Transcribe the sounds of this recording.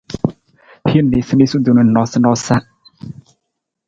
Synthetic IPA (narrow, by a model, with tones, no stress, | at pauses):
hi˦n˨ne˨si˦ni˦su˦d̪u˨nũ˨˦n˨nɔ˨˦sɪ˦nɔ˦sa˦